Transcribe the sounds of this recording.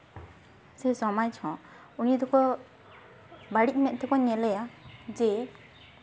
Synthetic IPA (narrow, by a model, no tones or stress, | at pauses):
sɛsɔmajt͡ʃʰɔ̃ | unid̪ɔkɔ | baɽic̚ˀmɛʔ̪̚t̪ɛkɔɲɛlɛjad͡ʒɛ